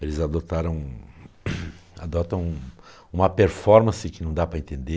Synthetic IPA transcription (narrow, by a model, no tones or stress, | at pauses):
elɪzad̪ot̪aɾɐ̃w̃ | a̰d̪ɔt̪ɐ̃w̃ũ | ũmɐpeɾfɔɾmɐ̃sɪkɪnɐ̃w̃d̪apɾɐẽnt̪ẽnd̪e